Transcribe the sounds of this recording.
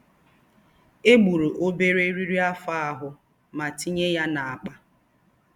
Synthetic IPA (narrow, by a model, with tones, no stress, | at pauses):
e˦ɡ͡bu˨ɾu˨ʔo˦be˦ɾe˦ɾi˦ɾi˦a˦fa˦a˨ɦʊ˨ | ma˨ti˦ɲe˦ja˦na˨a˨k͡pa˦